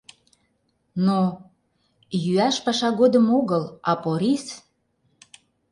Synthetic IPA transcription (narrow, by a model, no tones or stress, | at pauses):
no | jyæʃpɑʃɑɣod̪əmoɣəlɑpoɾis